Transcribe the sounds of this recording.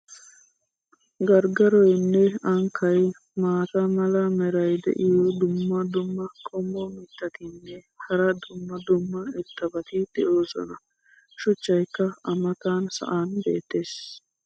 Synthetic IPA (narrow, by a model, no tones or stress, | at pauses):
ɡɐɾɡɐɾɔjnːɛɐŋkʰːɐj | maːt̪ɐmɐlɐmɛɾɐjd̪ɛ̰ʔɪjɔd̪ʊmːɐd̪ʊmːɐkʰʼɔmːɔmɪt̪ːɐt̪ɪnːɛ | hɐɾɐd̪ʊmːɐd̪ʊmːɐɛt̪ːɐbɐt̪ɪd̪̥ɛʔoːsɔ̰nɐ | ʃʊt͡ʃːɐjkːɐɐmɐt̪aːnsɐ̰ʔaːnbeːt̪ːeːs